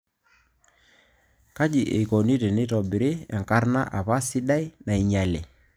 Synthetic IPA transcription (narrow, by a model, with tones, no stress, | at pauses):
ka˦d͡ʒi˨ʔe˨ko˨ni˦te˨nɪ˦tɔ˨bɪ˨ɾɪ˦ɛ˨ŋka˦rna˦ʔa˨pa˦sɪ˦ɗa˦i˦na˨i˨ɲa˨lɛ˨